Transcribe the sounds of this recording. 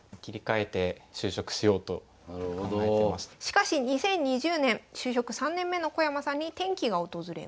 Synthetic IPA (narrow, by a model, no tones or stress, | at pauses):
kʲiɾʲikae̞t̪e̞ɕɨːɕo̞kɯ̟̥ɕijo̞ːt̪o̰ | kãŋɡaeemasɨ̥ɕi̥kaɕiɲ̟isẽ̞ɲ̟ːiʑɨːnẽ̞ɰɕɨːɕ̬o̞kɯ̟sãnːẽ̞mːe̞no̞ko̞jamasãɲ̟ːit̪ẽ̞ŋkʲiɡao̞t̪o̞zɨɾḛ